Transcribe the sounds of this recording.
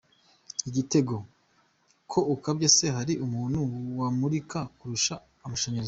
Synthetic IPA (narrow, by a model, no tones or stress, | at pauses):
iɟite̞ɡo̞ | kʰo̞ukabɟese̞ɦaɾiʔumuːnhuwamuɾikakuɾuʃaː | maʃaɲaɾz